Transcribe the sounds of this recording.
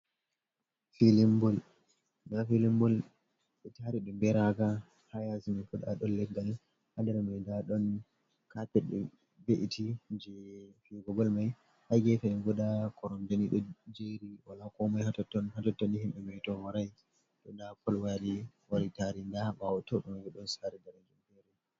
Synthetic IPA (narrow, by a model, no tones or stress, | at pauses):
filimbɔl | dafilimbɔl | ɓɛtaɾiɗumbɛɾaɡa | hajasimafuɗa̰ɗɔnlɛɡːal | hadɛɾmɛdaɗɔn | kapɛɗɛ | beʔitʰid͡ʒɛfiɡɔɡɔlmaj | hajɡɛfɛɛnɡɔɗakʰɔɾɔmdaniɗɔd͡ʒeɾiwalakɔmajhatɔtːɔnhatɔtːɔnihimɓɛmɛtɔwaɾaj | ɗɔdakɔlwaɾi | waɾitaɾindabawɔtɔɗumaɡɛɗɔnsaɾɛdaɾad͡ʒumbɛɾa